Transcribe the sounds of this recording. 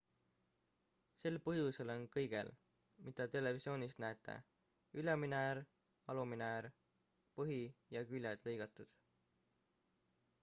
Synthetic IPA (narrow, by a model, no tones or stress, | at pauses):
se̞lpɤɦjuse̞lo̞nkɤjɡ̥e̞̰l | mid̪̥ɑt̪e̞le̞visio̞ːnist̪næet̪ːˑḛ | yleminæɾ | ɑluminæɾ | pɤɦijɑkylʲed̪̥le̞jɡ̥ɑt̪ːˑud̪̥